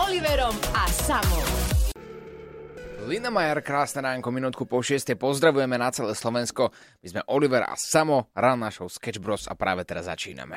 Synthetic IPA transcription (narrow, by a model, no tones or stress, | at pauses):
ɔliʋɛɾɔmasamɔm | linamajaɾkɾaːsnɛɾaːŋkɔminuːt̪̚kupɔʃɪɛst̪ɛjpɔzd̪ɾaʋujɛmɛnat͡sɛlɛːslɔʋɛnskɔmizmɛʔɔliʋɛɾa̰samɔɾannːaʃɔʊskɛd͡ʒbɾɔsa̰pɾa̰ːʋɛt̪ɛɾazːa̰t͡ʃḭːna̰mɛ̰